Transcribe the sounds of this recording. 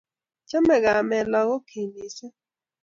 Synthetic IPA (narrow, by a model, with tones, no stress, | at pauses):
t͡ʃa˦mɛ˨ɡa˨mɛ˨lɔ˨ɣɔ˦kʰe˨ni˨sɛ˦